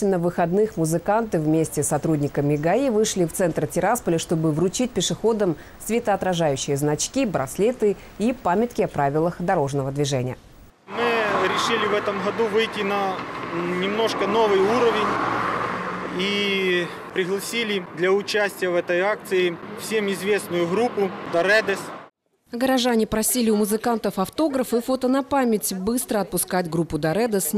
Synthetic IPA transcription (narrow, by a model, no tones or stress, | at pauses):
ɪnəvɨxɐd̪nɨxmʊzɨkant̪ɨvmʲesʲtʲɪsːɐt̪ɾudʲnʲɪkəmʲɪɡɐivɨʂlʲɪft̪sɛnt̪rtʲɪɾaspəlʲɪʂt̪o̞bɨvɾʊt͡ɕit̚ʲpʲɪʂɨxo̞d̪əm | svʲɪt̪əɐt̪ɾɐʐajʉɕːɪjəznɐt͡ɕkʲibɾɐ̰slʲet̪ɨ | ipamʲɪt̪kʲɪɐpɾavʲɪlˠəxd̪ɐɾo̞ʐnəvəd̪vʲɪʐɛnʲɪjə̰ | mɨɾʲɪʂɨlʲɪvɛt̪əmɣɐd̪uvɨjtʲːɪnɐ | nʲɪmno̞ʂkənovɨjuɾəvʲɪnʲ | i | pɾʲɪɣlˠɐsʲilʲɪd̪lʲɐʊt͡ɕæsʲtʲɪjəvɛt̪əjak̚t̪sɨɪfsʲemɪzvʲesnʊjʊɣɾupʊd̪ɐɾɛd̪ɛs | ɡəɾɐʐanʲɪpɾɐsʲilʲɪʊmʊzɨkant̪əfɐft̪o̞ɡɾəfɨfot̪ənɐpamʲɪtʲbɨst̪ɾəɐt̪̚pʊskatʲɡɾupːʊd̪ɐɾɛd̪əsʲ